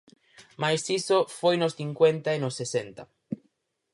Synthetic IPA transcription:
majsisofojnʊsθiŋkwent̪aenosːesent̪a

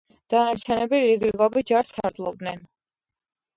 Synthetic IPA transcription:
d̪̥anaɾt͡ʃʰɛnɛbiɾiɡɾiɡɔbid͡ʒaɾsʰa̰ɾd̪lˠɔb̚d̪nɛn

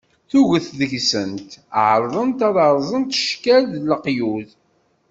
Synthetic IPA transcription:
θuʝəθðəʝsənt̪ʕɾˤðˤənt̪ɑðˤɑɾˤzˤənt̪ʃkælðləqjuð

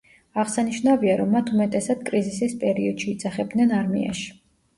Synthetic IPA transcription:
aʁsaniʃnaviaɾɔmːat̪ʰumɛt̪ʼɛsad̪̚kʼɾizisispʼɛɾiɔd̪̥ʃiːd̪zaχɛb̚d̪nɛnaɾmḭa̰ʃi̥

